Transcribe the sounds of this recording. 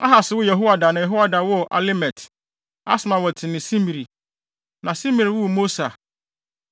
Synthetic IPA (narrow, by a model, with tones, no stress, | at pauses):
a̰˦ɦa˨sɪ˨˦wʊ˦jɛ˨ɦo˦wa˨da˨nã˨jɛ˨ɦo˦wa˦da˨wʊ˦˨ʔa̰˨le˦mɛ˨tʰ | a̰˦sʊ˨mã˨wɔ˨tʰɪ˨nɪ̃˨sĩ˦mi˨ɾi˨ | nã˨sĩ˦mi˨ɾi˨wʊ˦˨mo˦sa˨